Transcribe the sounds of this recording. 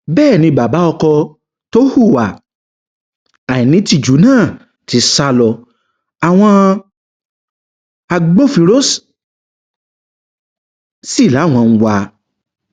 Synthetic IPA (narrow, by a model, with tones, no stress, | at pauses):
bɛː˦˨nĩ˧ba˨ba˨˦ɔ˧kɔ˧ | to˦hu˦˨wa˨ | a˨i˨nĩ˨˦ti˦˨d͡ʒu˨˦nãː˦˨ | ti˨˧˦sa˧lɔ˨ | a˨w̃ɔ̃˧ | a˧ɡ͡bo˦fi˧ɾo˦s | si˦˨la˨˦˨w̃ɔ̃˧ñ̩˧wa˧